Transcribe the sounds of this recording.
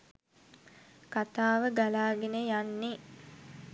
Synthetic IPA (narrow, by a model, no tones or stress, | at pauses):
kat̪aːʋəɡalaːɡenejanːi